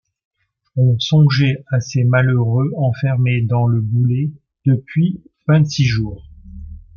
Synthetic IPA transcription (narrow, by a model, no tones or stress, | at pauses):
ɔ̃sɔ̃ʒɛasemaløʁøɑ̃fɛʁmed̪ɑ̃ləbule | d̪̥əpɥi | vɛ̃t̪siʒuːʁ